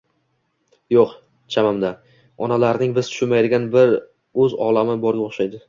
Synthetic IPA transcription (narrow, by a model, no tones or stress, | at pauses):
joq | t͡ʃʰamamd̪a | ɒnalaɾnɪŋbɪz̥t̪ʰʊ̥ʃʊnmajd̪ɪɡʲanbɪɾ | ɵzɒ̰lˠamɪbɒɾɡʲaoχʃajd̪ɪ